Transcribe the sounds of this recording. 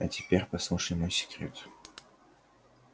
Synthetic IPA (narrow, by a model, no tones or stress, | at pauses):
ɐt̪ʲɪ̥pʲerʲpɐslˠuʂɪmojsʲɪ̥kɾʲḛt̪